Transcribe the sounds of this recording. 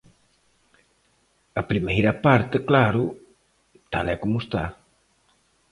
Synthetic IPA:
ɐpɾimejɾɐpaɾt̪eklaɾʊ | t̪a̰lɛkomʊst̪a

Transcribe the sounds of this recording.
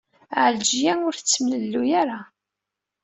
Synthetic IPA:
ʕəld͡ʒjænʊɾθt͡sːmləlːujaɾa

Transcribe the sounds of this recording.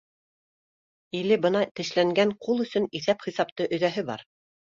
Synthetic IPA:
ilɘbɤ̆nɑt̪ɘ̆ʃlæŋɡæɴqulˠɵ̆sɵniθæpχisɑpt̪ɤʔɵ̆ðæɦɘbɑ̰ɾ

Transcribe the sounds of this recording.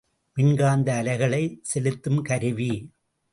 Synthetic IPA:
mɪnɡaːnd̪ɐːlɐɪɣɐɭɐɪsɛlɯt̪ːɯmkɐɾɯʋi

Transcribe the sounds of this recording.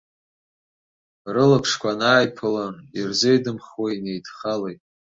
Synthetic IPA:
rɨlɨpʰʂkʷanaːjpʰɨlanirzejdɨmχwainejdχalejtʼ

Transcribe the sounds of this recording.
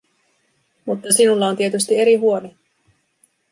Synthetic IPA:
mut̪ːɑsinulːɑont̪iet̪yst̪ie̞ɾiɦuo̞ni

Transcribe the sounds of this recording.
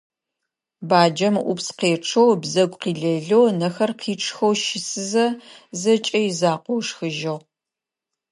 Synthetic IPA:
baːd͡ʒɐmʔṵpsqeːʈ͡ʂʰɐwbzɐɡʷqiːɮɐɮownɐxɐrqʰiːʈ͡ʂʰʼxɐwʃɪsɨzɐzɐt͡ʃʼɐjizaːqʷowʂxɨʒɐʁ

